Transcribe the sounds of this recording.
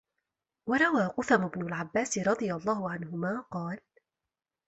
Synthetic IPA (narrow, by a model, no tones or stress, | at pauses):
wɑɾˤɑwaːqʊθamʊbnʊlʕabːaːsɪɾˤɑd̪ˤɨjalˤːɑːhʊʕanhʊmaːqɑːl